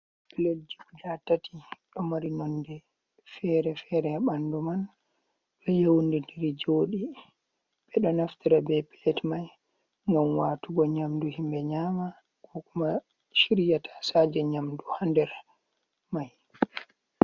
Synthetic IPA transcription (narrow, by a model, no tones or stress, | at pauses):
pilod͡ʒikud͡ʒatati̥ɗɔmaɾinɔnːdɛ | fɛɾɛfɛɾɛaɓanduman | ɗɔjewndindiɾid͡ʒoːɗi | ɓɛɗɔnaftiɾabɛpɛlɛtmaj | ŋɡamwaːtuɡɔɲamduhimbɛɲaːma | ɡɔkuma | ʃiɾijatʰḁsad͡ʒɛɲamduhandɛɾ | maj